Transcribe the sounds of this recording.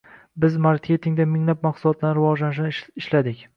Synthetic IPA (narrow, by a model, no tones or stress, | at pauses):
bɪzmaɾkʲʰe̞t̪ʰɪŋd̪amɪŋlap̚maqsʊlɒt̪ʰlanɪɾɪvɒd͡ʒlanɪʃ̬nɪʃlad̪ɪkʲ